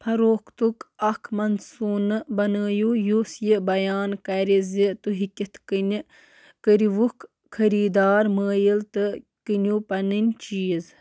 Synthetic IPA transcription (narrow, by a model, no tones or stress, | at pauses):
pʰɐɾoːkt̪ukɐkʰmɐnsuːnɨbɐnəːjuːjusjibɐjaːnkɐɾʲizit̪uɦikʲit̪ʰkɨnʲi | kəɾiʋuk | kʰːɐɾiːd̪aːɾməːjilt̪ɨ | kɨnʲupɐnɨnʲt͡ʃiːz